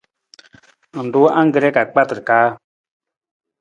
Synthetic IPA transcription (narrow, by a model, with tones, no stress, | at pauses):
n̩˨du˦ʔã˦ŋ˦ɡə˨ɾɛ˦ka˨k͡pa˦tɾkaː˦